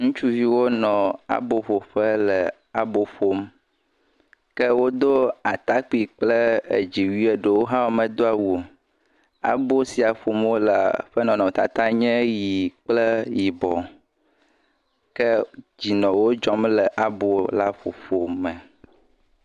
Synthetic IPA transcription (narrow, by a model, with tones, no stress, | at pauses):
ŋũ˦t͡ʃu˦vi˦wo˦nɔ̃˨a̰˨bo˨ɸo˨ɸə˦lə˨ | a˨bo˨ɸo˦m | kɛ˦wo˦d̪o˦a˨t̪a˦k͡pi˨k͡plə˦ḛ˨d͡ʑi˨wi˦e˨ɖə˨wo˦ɦã˦wo˦mɛ̃˨d̪o˦a˨wu˨o˨ | a̰˨bo˦si˨a˨ɸo˨mwo˦la̰˨ɸə˦nɔ̃˨nɔ̃˨t̪a̰˨t̪a˦ɲɛ̃˦ji˨k͡plɛ˦ji˨bɔ˨ | kɛ˦d͡ʑi˨nɔ̃˨wo˦d͡ʒɔ˦mlə˨ʔa˨bo˨la˦ɸo̰˨fo˨mɛ˨